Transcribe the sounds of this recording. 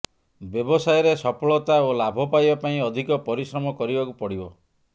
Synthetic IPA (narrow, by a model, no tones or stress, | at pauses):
bjɔbɔsajɔɾesɔpʰɔɭɔt̪aolabʱɔpajbapaĩɔd̪ʱikɔpɔɾisɾɔmɔkɔɾibakupɔɽibɔ